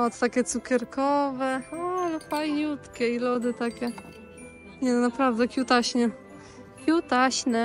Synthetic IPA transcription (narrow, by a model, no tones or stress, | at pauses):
ɔt̪t̪akʲɛt̪sukʲɛɾkɔvɛalɛpajɲut̪kʲɛilɔd̪ɘt̪akʲɛ | ɲɛnapɾavd̪ɛkʲjut̪aɕɲɛ | kʲjut̪aɕnɛ